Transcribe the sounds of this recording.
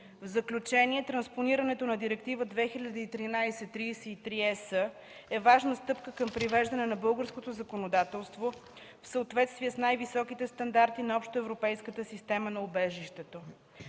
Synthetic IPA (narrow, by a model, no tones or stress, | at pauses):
vzəklʲut͡ʃɛniɛt̪ɾɐnsponiɾənɛt̪onɐd̪iɾɛkt̪ivəd̪vɛxiʎʲɐd̪iːt̪ɾinajsɛt̪ːɾijsɛit̪ɾiɛsə | ɛvaʒnəst̪ɤpkəkəmpɾivɛʒd̪ɐnɛnɐbɤlˠɡəɾskot̪ozɐkonod̪at̪ɛlˠst̪vo | fsəot̪vɛt̪st̪viəsnajvisɔkit̪ɛst̪ɐnd̪aɾt̪inɐɔpʃt̪oɛvɾopɛjskət̪əsist̪ɛmənɐobɛʒiʃt̪ɛt̪o